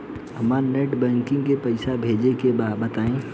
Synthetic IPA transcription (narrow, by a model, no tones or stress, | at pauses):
ɦɐmaneːʈbɛ̃ːŋkɪ̃ŋɡkepɐɪsabʱeːd͡ʒekebaːbət̪aːẽː